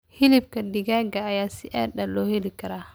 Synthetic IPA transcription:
hɪlɪb̚kɐdɪɡaːɡɐːjaːsɪiʔɛ̰ːɗɐlɔːhɛlikʰɐɾaː

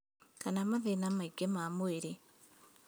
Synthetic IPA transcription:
kanamaðenamaiɡemamoeɾe

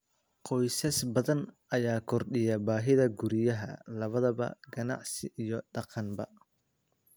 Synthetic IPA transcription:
qɔjsɐsbɐðɐn | ɐjaːkʰɔrɗɪjɐbaːɦɪðɐɡuɾɪjɐɦɐ̰lɐβɐðɐβɐ̰ɡɐnɑ̰ʕsɪʔijɔɖɑqɑnbɐ̰

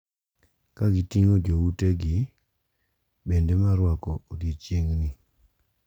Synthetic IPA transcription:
kaɡitiŋod͡ʒouteɡi | bendemaɾwakɔodit͡ʃjeŋni

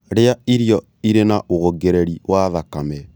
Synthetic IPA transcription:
ɾeaiɾijɔ | iɾenaʔoɣoɡeɾɛɾiwʔaðakamɛ

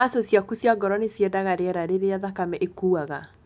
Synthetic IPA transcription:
asosjakusjaɡɔɾɔnesjɛdaɣaɾeɛɾaɾeɾeaðakamɛʔekuaɣa

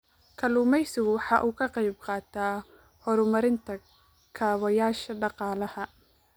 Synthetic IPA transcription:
kʰɐluːmɛjsɪɣʊwɑħɑːʔuːkʰɐqɑjb̚qɑːt̪ʰaː | hɔɾʊmɐɾɪnt̪ʰɐ | kʰaːwɐjaːʃɐɖɑqɑːlɐhɐ

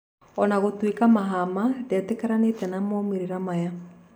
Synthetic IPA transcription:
ɔnaɣotwekamaɦamadɛtɛkɛɾanetɛnamɔmeɾeɾamaja

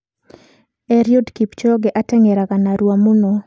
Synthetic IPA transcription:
ɛɾjodkipt͡ʃɔɡɛʔatɛŋɛɾakanaɾwamuno

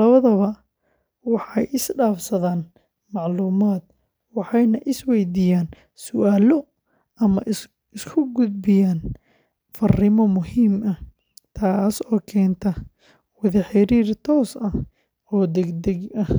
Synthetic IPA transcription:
lɐβɐðɐβɐ | wɑħɑjʔɪsɖaːfsɐðaːn | mɑʕluːmaːd̪ | wɑħɑjnɐʔɪswɛjd̪iːjaːn | sʊʔaːlɔ | ɐmɐʔ | ɪskʰʊɡʊd̪̚bɪjaːn | fɐrɪmɔmʊhiːmɐ | t̪ʰaːsɔːkʰɛːnt̪ʰɐ | wɐðɐħɪɾiːrt̪ʰɔːsɐ | ɔːd̪ɛɡd̪ɛɡɐh

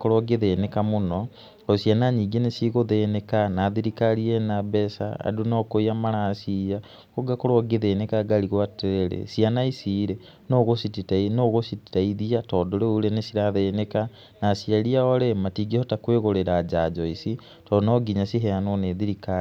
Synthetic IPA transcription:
koɾoɡeðenekamuno | osianaɲiːɡenesiɣoðenekanaðiɾikaɾienabesa̰a̰dunokoiamaɾaːsija | koɡakoɾoɡeðenekaɡaliɣwateɾeɾḛsianaisiɾe | noɣosititainoɣositi̥taiðiatodoɾeulenesiɾaðeːneka | nasiaɾiaoɾematiɡehotakweɣoɾeɾad͡ʒad͡ʒɔisi | tɔdnoɡiɲasiɦeanoneðiɾikai

